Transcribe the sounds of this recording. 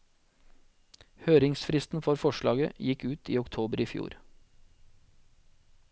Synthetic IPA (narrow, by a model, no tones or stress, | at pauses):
høːɾɪŋsfɾɪst̪n̩fɔɾfɔʃɭɑ̰ːɡə̰jɪkʉːt̪ʰḭːɔkt̪ʰoːbəɾiːfjṵːɾ